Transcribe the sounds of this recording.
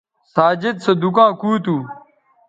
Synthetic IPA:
saːd͡ʑed̪̚sɐd̪ukãːkuːt̪uː

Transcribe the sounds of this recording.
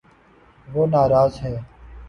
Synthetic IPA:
ʋoːnaːɾaːzɦɛː

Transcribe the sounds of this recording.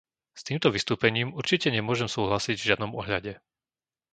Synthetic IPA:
st̪iːmt̪ɔʋist̪uːpɛɲiːmuɾt͡ʃicɛɲɛmʊɔʒɛmsuːɦlasiɟvʒɪad̪nɔmɔ̰ɦʎaɟɛ

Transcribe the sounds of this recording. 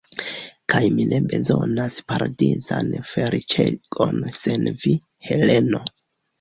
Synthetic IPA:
kajminʔebe̞zo̞naspaɾdizanfe̞ɾit͡ʃeɡ̥onse̞nvi | he̞le̞no̞

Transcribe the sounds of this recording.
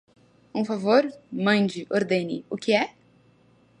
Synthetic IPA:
ũfavoɾmɐ̃j̃d͡ʒɪʔoɾd̪ẽnɪʊkɪɛ

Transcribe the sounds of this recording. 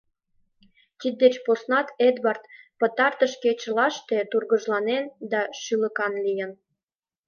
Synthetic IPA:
t̪id̪̚ːet͡ɕposnɑt̪ʰed̪βɑrt̪pə̆t̪ɑrt̪əʃket͡ɕəlɑʃt̪et̪urɣə̆ʒlɑnend̪ɑʃyləkɑnlijə̆n

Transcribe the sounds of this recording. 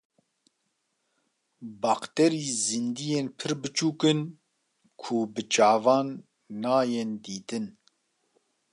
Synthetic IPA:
bɑxt̪ɛɾiːzɨnd̪ijeːnpʰɨɾbɨt͡ʃʰuːkɨn | kʰubɨt͡ʃʼɑːvɑːnː | ɑːjend̪iːt̪ɨn

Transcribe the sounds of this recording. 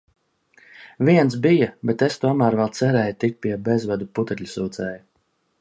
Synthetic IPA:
viɛnsbijabet̪est̪uɔmæːɾvɛlˠt̪sɛɾɛjt̪ik̚piɛbɛzvad̪uput̪ɛkʲlʲusuːt̪sɛːj

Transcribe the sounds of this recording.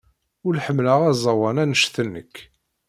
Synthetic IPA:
ʊɾħəmːləʁæzˤɑwɑnænəʃθənːə̰kː

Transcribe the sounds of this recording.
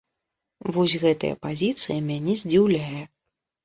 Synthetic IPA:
vɔsʲɣɛt̪ɐ̰jɐ̰pazʲit̪sɨ̰jɐmʲanʲɛzʲd͡zʲiwlʲajɛ

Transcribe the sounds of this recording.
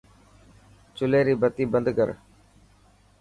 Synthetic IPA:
t͡ʃʊleːɾiːbət̪iːbənd̪kə̰ɾ

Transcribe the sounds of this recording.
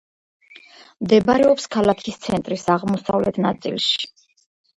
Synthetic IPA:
md̪ɛbaɾɛɔpskʰalˠakʰist̪sʰɛnt̪ʼɾisaʁmɔsavlɛt̪ʰnat̪sʼḭlˠʃi̥

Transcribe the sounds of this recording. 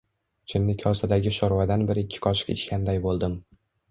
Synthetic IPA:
t͡ʃʰɪnːɪkʲʰɒsad̪aɡʲɪʃoɾvad̪anbɪɾɪɪkʲʰːɪ̥kʰɒʃɪ̥kʲɪ̰t͡ʃkʲand̪ajbolˠd̪ɪm

